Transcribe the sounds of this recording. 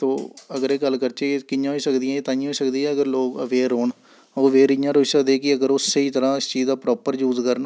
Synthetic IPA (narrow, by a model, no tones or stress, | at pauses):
t̪oːəɡəɾeːɡəlːkəɾt͡ʃekɪjãːɦoiːsəkd̪ɪjãeːt̪ãːɪ̃j̃ːɦoiːsəkd̪iːɛːəɡəɾloːkəʋeːɾɦoːɳ | oːʋeːɾɪjãːɾoiːsəkd̪eːkɪəɡəɾosːəiːt̪əɾãːɪst͡ʃiːzd̪aːpɾɔːpəɾjuːzkəɾən